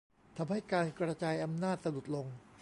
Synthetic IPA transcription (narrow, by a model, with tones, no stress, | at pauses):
t̪ʰa˧mha˥˩jkaː˧nkɾa˧t͡ɕaː˧jʔa˧mnaː˥˩t̪̚sa˧nu˨˩t̪̚lo˧ŋ